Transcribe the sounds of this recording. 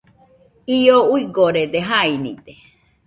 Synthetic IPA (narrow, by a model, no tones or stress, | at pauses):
ijouiɡoɾed̪eɦainḭt̪e